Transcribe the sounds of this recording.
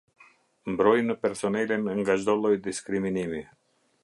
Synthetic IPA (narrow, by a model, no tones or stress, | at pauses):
mbɾɔjnəpɛɾsɔnɛlinŋɡaʒd̪ɔlˠɔjd̪iskɾiminimi